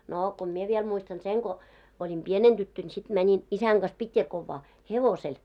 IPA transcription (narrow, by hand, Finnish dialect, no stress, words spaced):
noː ko mie ʋiel muistɑn seŋ ɡ̊o olʲim pieneŋ d̥ytːøn sit mænʲin isæŋ ɡ̊ɑs pitjɑkoʋːɑː heʋosel